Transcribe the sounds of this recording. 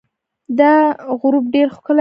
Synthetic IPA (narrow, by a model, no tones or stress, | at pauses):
d̪aɣɾub̚ɖeɾxkəla